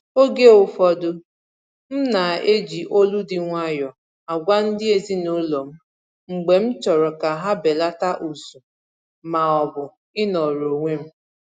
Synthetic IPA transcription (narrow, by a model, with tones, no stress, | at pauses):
o˦ɡe˦ʊ˨fɔ˦dʊ˦ | m̩˦na˨e˦d͡ʒi˨ʔo˦lu˦dɪ˦ŋʷa˦jɔ˨ | a˨ɡʷa˦n̩˦dɪ˦e˦zi˦nu˦lo˨m̩˦ | ŋ͡m̩˨ɡ͡be˨m̩˦t͡ʃɔ˨ɾɔ˨ka˨ɦa˦be˨la˦ta˦ʔu˨su˨ | ma˨ɔ˨bʊ˨ | ɪ˦nɔ˨ɾo˨ŋʷe˦m̩˦